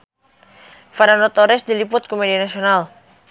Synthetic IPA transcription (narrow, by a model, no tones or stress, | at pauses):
faɾanot̪ɔɾɪsdilipʊt̪̚komedianasional